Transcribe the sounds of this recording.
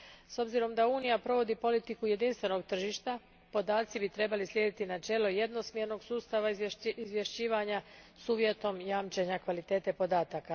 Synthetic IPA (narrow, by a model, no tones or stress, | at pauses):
so̞bziɾo̞md̪auːnijapɾo̞ʋo̞d̪ipo̞lit̪ikuje̞d̪inst̪ʋe̞no̞ɡ̚t̪r̩ʒiʃt̪a | po̞d̪aːt̪sibit̪ɾe̞balisljed̪it̪inat͡ʃe̞ːlo̞jed̪no̞smje̞ɾno̞ɡsuːst̪aʋaizʋje̞ʃt͡ɕiːʋaɲa | suːʋje̞t̪o̞mjaːmt͡ʃeɲakʋalit̪e̞ːt̪e̞po̞d̪aːt̪aka